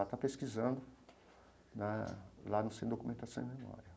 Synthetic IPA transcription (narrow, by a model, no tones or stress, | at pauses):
at̪apeskizɐ̃nd̪ʊ | nɛlanɐ̃sẽd̪okumẽnt̪asɐ̃w̃memɔ̰ɾiɐ